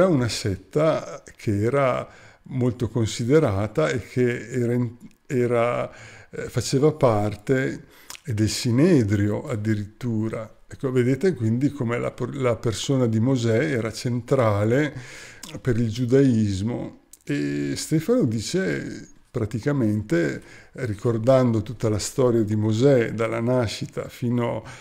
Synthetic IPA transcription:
ɾaunasɛt̪ːakʰeɛːɾamolt̪okonsid̪eɾaːt̪aekʰːeɛːɾain | ɛːɾa | fat͡ʃeːvapart̪eː | d̪elsinɛːd̪ɾjoad̪ːiɾit̪ːuːɾa | ɛkːoved̪eːt̪ekwind̪ikomela̰plapersoːnad̪imozɛɛːɾat͡ʃent̪ɾaːle | peɾild͡ʒud̪aizmo̰ | est̪ɛːfanod̪iːt͡ʃe | pɾat̪ikament̪erikord̪and̪ot̪ut̪ːalast̪ɔːɾjad̪imozɛd̪alːa̰naʃːit̪a̰fiːno

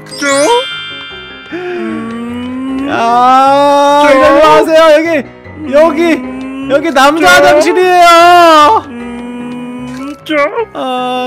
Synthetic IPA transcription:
t͡ɕʰo | a | iɡʌnoasʰe̞jojʌɡi | jʌɡijʌɡinamd͡ʑadanɕʰiɾiejo | t͡ɕoʌ

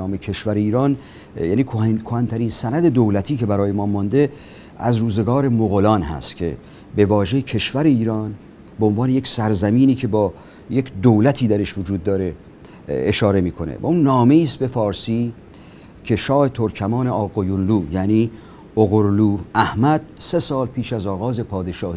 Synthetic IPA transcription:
ɒːmecʰe̞ʃvæɾeiːɾɒːn | jæːniːkʰkʰohænt̪ʰæɾiːnsænæd̪e̞d̪owlæt̪ʰiːcʰe̞bæɾɒːjemɒːmɒnd̪e̞ | æzɾuːze̞ɡɒːɾe̞moɣolɒːnhæ̰st̪cʲʰe̞̰ | be̞vɒːʒe̞jcʰe̞ʃvæɾe̞iːɾɒːn | beonvɒːne̞je̞ksæɾzæmiːniːcʰe̞bɒː | jekʰd̪owlæt̪ʰiːd̪æɾe̞ʃvod͡ʒuːd̪̚ːɒːɾe̞ː | ʃɒːɾe̞miːkʰo̞nḛvæ̰unːɒːme̞iːst̪̚be̞fɒːɾsiː | cʰe̞ʃɒːhe̞t̪ʰoɾkʰæmɒːne̞ɒːɣojunluːjæniː | oɣoɾluːæhmæd̪̥̚se̞sɒːlpʰiːʃæzɒːɣɒːze̞pʰɒːd̪e̞ʃɒːhi

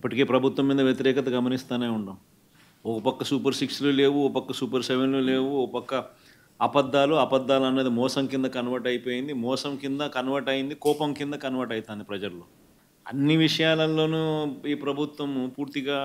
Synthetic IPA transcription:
ipːɐʈike̞ːpɾɐbʱut̪ʋɐmːiːd̪ɐʋjɐt̪iɾɛːkɐt̪ɐɡɐmɐnist̪aːneːuɳɖaːm | ɔkɐpɐkːɐsuːpɐɾsiksluːle̞ːʋuɔkɐpɐkːɐsuːpɐɾsɛʋenluːle̞ːwuɔkɐpɐkːɐ | ɐbɐd̪ːaːluɐbɐd̪ːaːluɐnːeːd̪imɔːsɐmkind̪ɐkɐnuʋɐʈɐjipo̞ːjind̪imɔːsɐmkind̪ɐkɐnuʋɐʈɐjind̪ikɔːpɐmkind̪ɐkɐnuʋɐʈɐjt̪aːnd̪ipɾɐd͡ʒɐɾloː | ɐ̰nːiʋiʂɐjaːlɐlːo̞ːnuiːpɾɐbʱut̪ʋɐmpuːɾt̪iɡaː

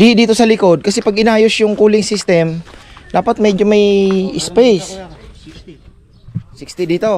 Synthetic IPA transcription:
d̪ɪd̪iːt̪o̞sɐlɪko̞d̪̚kɐsɛpɐɡɪnaːjosjʊŋkuːlɪŋsist̪ɛmd̪̥aːpɐt̪̚mɛd͡ʒomɐjɪspɛjs | sɪkst̪id̪iːt̪o̞

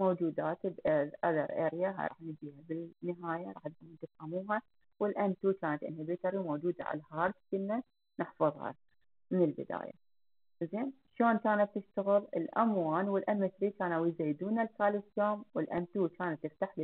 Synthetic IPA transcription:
moːd͡ʒuːd̪aːt̪bʔʔad̪ɑ̰ɾˤʔeːɾjaɦa̰ɾˤɑ̰ːħnɪd͡ʒiːhabɪlnːɪɦaːjaɾˤɑ̰ːħnd̪ɪmnt̪ɪfhamuːɦa | wɪlʔant̪uːkaːnat̪ʔɪ̰nhabɪt̪ɑɾimoːd͡ʒuːd̪a̰ʕa̰lhɑːɾˤd̪kɪnːa | nɪħfɑðˤhɑ̰ | mɪnɪlbɪ̰d̪a̰ːja̰ | zeːn | ʃoːnkaːnatt̪ːɪʃt̪aɣɪɾɪ̰lʔamwaːnwɪlʔamɪt̪ɾikaːnawizaːd̪uːnalkaːlɪsjoːmwɪlʔant̪uːkaːnat̪ːɪft̪aħl

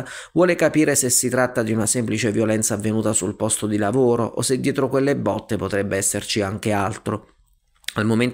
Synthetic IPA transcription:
vwɔːlekapiːɾesesːit̪ɾat̪ːad̪iunasemplit͡ʃevjolɛnt̪saːvːenuːt̪asulpɔst̪od̪ilavoːɾoʔo̰sed̪ːjɛːt̪ɾokwelːebːɔt̪ːepot̪ɾɛbːeɛsːert͡ʃiaŋk̟ealt̪ɾo | almomen

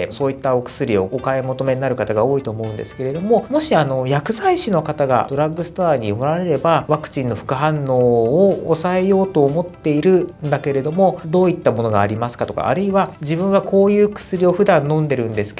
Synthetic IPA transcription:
eso̞ːit̪ːao̞kɯ̟̥sɨɾʲio̞̰ɡo̞kaemo̞t̪o̞me̞ɲnːaɾɯ̟kat̪aɡao̞ːit̪o̞ːmo̞ɯ̟nd̪esɨ̥ke̞ɾe̞d̪o̞mo̞mo̞ɕiano̞jakɯ̟zaiɕino̞kat̪aɡa̰d̥̪o̞ɾaɡːɯ̟sɨ̥t̪oaːɲ̟imo̞ɾaɾe̞ɾe̞baβakɯ̟̥t͡ɕĩnːo̞ɸɯ̟̥kɯ̟ɦãnːo̞ːoːsae̞jo̞ːt̪o̞ːmo̞t̪ːe̞iɾɯ̟nd̪ake̞ɾe̞d̪o̞mo̞d̪o̞ːit̪ːamo̞no̞ɡaːɾʲimasɨ̥kat̪o̞ka̰a̰ɾɯ̟iβad͡ʑibɯ̟̃ɰ̃ŋɡako̞ːjɯ̟ːkɯ̟̥sɨɾʲio̞ɸɯ̟d̪ãnːõ̞nd̪e̞ɾɯ̟̃nd̪e̞sɨ̥

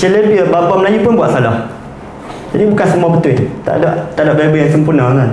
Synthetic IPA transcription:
ʃelebiəbabaməlajupʊnbuaʔsalah | d͡ʒadibukansəmuabət̪ʊt̪a̰ʔdaʔt̪aʔdaʔbabəjaŋsəmpurnaaŋan

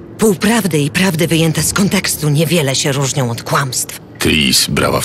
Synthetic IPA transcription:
puwpɾavd̪ɘipɾavd̪ɘvɘjɛnt̪ɛskɔnt̪ɛkst̪uɲɛvʲjɛlɛɕɛɾuʐɲɔ̃w̃ɔt̪kwamst̪f | t̪ɾisbɾa̰va̰

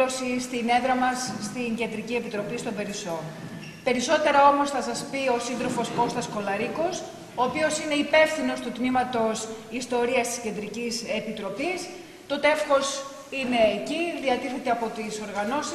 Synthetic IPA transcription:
osist̪ine̞ðɾɐmɐsːt̪iŋɟe̞nd̪ɾicie̞pit̪ɾo̞pist̪o̞be̞ɾiso̞ | pe̞ɾiso̞t̪e̞ɾɐo̞mo̞sθɐsɐspio̞sinðɾo̞fo̞sko̞st̪ɐsko̞lɐɾiko̞s | oːpio̞sine̞ipe̞fθino̞st̪ut̪mimɐt̪o̞sist̪o̞ɾiɐst̪isce̞nd̪ɾicise̞pit̪ɾo̞pis | t̪o̞t̪efxo̞s | ine̞ːciðiɐt̪iθe̞t̪eɐpo̞t̪iso̞ɾɣɐno̞si

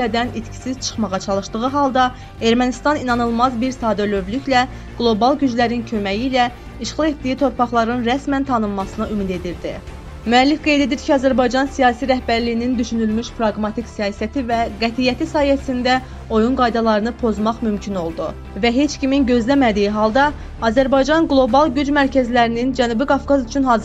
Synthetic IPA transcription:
æd̪ænit̪cʰi̥sizt͡ʃʰɯ̥χmɑʁɑt͡ʃʰɑlˠɯʃd̪ɯʁɯɦɑlˠd̪ɑ | e̞ɾmænist̪ɑninɑnɯlˠmɑzbiɾsɑːd̪øløvlyçlæ | ɡ̥lˠo̞bɑlˠɟyd͡ʒlæɾincʰø̞mæjiːlæ | iʃʁɑlˠe̞t̪̚d̪ijit̪ʰo̞ɾpɑχlˠɑɾɯnɾæsmænt̪ʰɑnɯmːɑsɯnɯymid̪e̞d̪iɾd̪ḭ | myælːifɡe̞jd̪e̞d̪iɾcʰiɑzæɾbɑjd͡ʒɑnsijɑːsiɾæhbæɾlijinind̪yʃynylmyʃpʰɾɑɡmɑt̪ʰiksijɑːsæt̪ʰivæɡæt̪ʰijæt̪ʰisɑːhijæsind̪æ | o̞junɡɑjd̪ɑlˠɑɾɯnɯpʰo̞zmɑχmymcʰino̞lˠd̪u | væɦe̞t͡ʃcʰiminɟø̞zlæmæd̪ijiɦɑlˠd̪ɑː | zæɾbɑjd͡ʒɑnɡlˠo̞bɑlˠɟyd͡ʒmæɾcʰæzlæɾinind͡ʒænuːbiɡɑfɡɑzyt͡ʃʰynɦɑːz

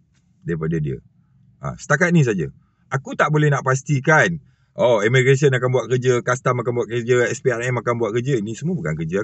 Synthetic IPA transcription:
daipadadiə̰ | ʔa̰sə̥t̪akat̪̚nĩs̬ad͡ʒa | akut̪aʔbolɛhnãʔpas̬t̪ikan | ʔoɛməɡɾes̬iənakanbuat̪̚kərd͡ʒəkast̪amakanbuat̪̚kəd͡ʒəɛspearɛmakanbuwat̪̚kərd͡ʒəinisəmuəbukankəd͡ʒa

